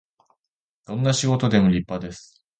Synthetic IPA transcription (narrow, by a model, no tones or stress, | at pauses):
d̪̥õ̞nːaɕiɡo̞t̪o̞d̪e̞moɾʲipːad̪e̞sɨ̥